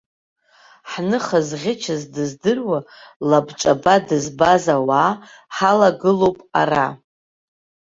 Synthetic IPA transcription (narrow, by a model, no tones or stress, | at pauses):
ħnɨχazʁʲɪt͡ʃʰazdɨzdɨrwalabt͡ʃʷʼabadɨzbazawaː | ħalaɡɨlo̞wpʼa̰ra